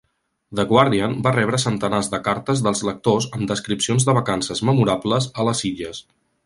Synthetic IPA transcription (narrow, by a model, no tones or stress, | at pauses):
d̪əɣwaɾðianbarɛβɾəsənt̪ənazðəkaɾt̪əzðəlˠzlək̚t̪ozəmd̪əskɾipsionzðəβəkansəzməmuɾabləzələsiʎəs